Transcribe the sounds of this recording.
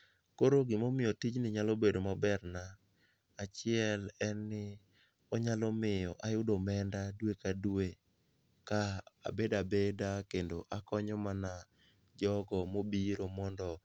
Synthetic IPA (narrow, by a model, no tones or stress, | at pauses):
koɾoɡɪmomɪjɔtit͡ʃnɪɲalobedomabɛrnaː | t͡ʃɪɛlɛnːɪ | ɔɲalɔmɪjɔʔajʊdɔmɛndadwekadwe | kaa̰bedabedakendoʔakɔɲɔmana | d͡ʒɔɡɔmobiɾomɔndɔ